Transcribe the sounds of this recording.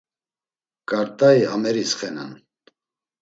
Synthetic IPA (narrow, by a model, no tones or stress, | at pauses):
kʼaɾt̪ʼaiamɛɾisχɛna̰n